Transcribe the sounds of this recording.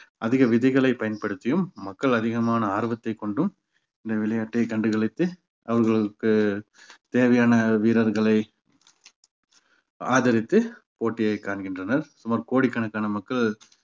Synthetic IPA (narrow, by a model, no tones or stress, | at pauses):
ʔɐðɪɣɐʋɪðɐɪɣɐɭɐɪpɐjɐnpɐɽɯt̪ːɪjɯmːɐkːɐɭɐðɪɣɐmaːnɐaːɾʋɐt̪ːɐɪkːɔɳɖɯm | ɪnd̪ɐʋɪɭɐjaːʈːɐɪkɐɳɖɯɣɐɭɪt̪ːɯ | ɐʋɐɾɣɐɭɯkːɯ | t̪eːʋɐjaːnɐʋiːɾɐɾɣɐɭɐɪ | aːðɐɾɪt̪ːɯ | poːʈːɪjɐɪkaːɳɣɪndrɐnɐɾsʊmaːɾkoːɽɪkːɐɳɐkːaːnɐmɐkːɐɭ